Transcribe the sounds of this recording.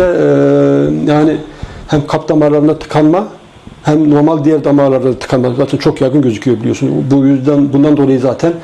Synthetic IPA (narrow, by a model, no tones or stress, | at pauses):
ɛ | jaːnɪhæmkʰapd̪amaːlˠaɾɯnd̪at̪ʰɯ̥kʰanma | hæmno̞ɾmalˠʲd̪ijæɾd̪amaːlˠaɾɯnaat̪ʰɯ̥kʰanˠmazaːt̪ʰɛnt͡ʃʰo̞kjaɡɯnɟøzycʰyjobilʲijo̞sunbujyzd̪ɛnbund̪and̪olˠajɯzaːt̪ʰæn